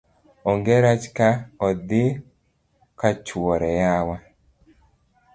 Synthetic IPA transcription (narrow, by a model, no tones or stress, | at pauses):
ɔŋɡeɾat͡ʃkaɔd̪ɪ | kat͡ʃwɔɾɛjawa